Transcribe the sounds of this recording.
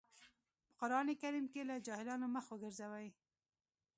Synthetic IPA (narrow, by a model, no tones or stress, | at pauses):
pə̥qʊɾɑnekaɾimkelad͡ʒɑhɪlɑnoməxwəɡəɾzawaj